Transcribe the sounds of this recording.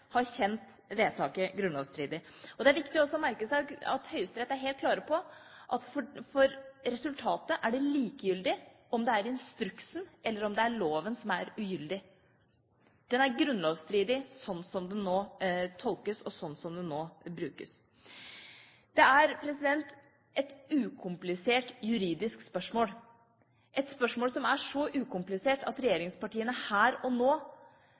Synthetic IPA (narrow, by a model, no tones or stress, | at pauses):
hɑɾçɛnt̪ | ʋeːt̪ʰɑːkəɡɾʉnlo̰ːʋst̪ɾiːd̪ɪɔd̪ɛæɾʋɪkt̪ɪɔsɔmæɾkəsæɪɑ̰t̪hœʏəst̪ɾɛt̪ːəæɾɦeːlt̪̚kʰlɑːɾəpʰɔʔɑt̪fɔfɔɾɾɛsʉlt̪ʰɑːt̪əʔæɖɛliːkəjʏld̪ɪ | ɔmd̪ɛæɾɪnst̪ɾʉksnʔɛlːəɾɔmd̪ɛæɾɭoːʋənsɔmæɾʉjʏld̪ɪ | d̪̥ɛnæɾɡɾʉnloːʋst̪ɾiːd̪ɪsɔnːsɔmd̪ɛnːoːt̪ʰɔlkəsɔsɔnːsɔmd̪ɛnːoːbɾʉːkəs | d̪̥ɛæɾpʰɾɛsɪd̪ɛnt̪ | ʔɛt̪ʉːkʰʊmplɪseːʈjʉɾiːd̪ɪskspœʂmoːl | ʔɛt̪spœʂmoːlsɔmæʂɔʔʉːkʰʊmplɪseːʈʰɑt̪ɾɛjeːɾɪŋspɑʈiːənəhæːɾɔnoː